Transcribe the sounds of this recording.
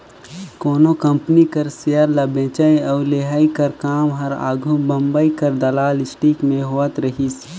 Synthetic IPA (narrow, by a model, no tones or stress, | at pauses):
koːnokɐ̃mpnikɐɾsejəɾlɐbẽːt͡ʃaiɔːɾleɦaːikɐɾkaːmɦɐɾa̰ːɡʱubɐ̃mbəikɐɾd̪ɐlaːlɪsʈiːkmẽɦoːət̪ɾɐɦiːs